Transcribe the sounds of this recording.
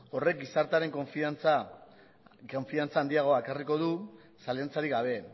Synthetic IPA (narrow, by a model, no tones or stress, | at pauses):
o̞re̞k̚ɡisaɾt̪aɾe̞ŋkofit͡sa | oɱfiant͡saːnd̪iaɣ̞o̞aekariko̞ð̞u | salant͡saɾiɡaβ̞e̞